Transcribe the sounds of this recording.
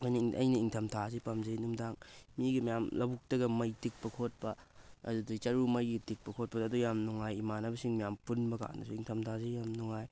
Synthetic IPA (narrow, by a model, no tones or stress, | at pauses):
ojnɐɐ̰jnɐiŋtʰɐmtʰazepamzɐjnumdaŋmiɡimijamlɐbuk̚tɐɡɐmɐjtik̚pɐkʰot̚pɐɐ̰dudɐt͡ʃɐɾumɐjɡitik̚pɐkʰot̚pɐdɐːdujamnuŋajimanɐbɐsiŋmijampunbɐka̰knɐ̰suiŋtʰɐmtʰazejamnuŋaj